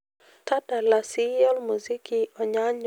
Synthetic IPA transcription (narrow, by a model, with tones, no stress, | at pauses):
ta˦da˨la˨si˦jɔ˦lmu˨zi˦kiɔ˨ɲa˦ɲ